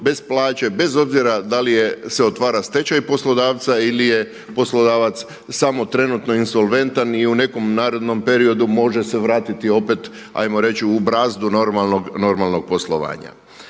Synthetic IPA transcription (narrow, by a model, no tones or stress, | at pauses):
be̞splˠaːt͡ʃe̞be̞zo̞bziɾad̪alijeseot̪ʋaːɾast̪e̞t͡ʃajpo̞slˠo̞d̪aːʋt̪sailije̞ | po̞slˠo̞d̪aːʋat̪s | samo̞t̪ɾe̞nut̪no̞inso̞lˠʋe̞nt̪aniune̞ko̞mnaːɾo̞d̪no̞mpe̞ɾio̞d̪umo̞ʒe̞se̞ʋɾaːt̪it̪io̞pe̞t̪ | a̰jmoɾe̞t͡ɕiubɾaːzd̪unoɾmalnoɡno̞ɾmalˠno̞ɡ̚po̞slˠoʋa̰ːɲa̰